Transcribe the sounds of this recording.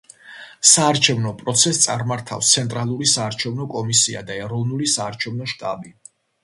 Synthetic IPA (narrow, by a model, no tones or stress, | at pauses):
saːɾt͡ʃʰɛvnɔpʼɾɔt̪sʰɛst̪sʼaɾmaɾt̪ʰa̰fst̪sʰɛnt̪ʼɾalˠuɾisaːɾt͡ʃʰɛvnɔkʼɔmisia̰d̪aɛɾɔvnulisaːɾt͡ʃʰɛvnɔʃt̪ʼa̰bi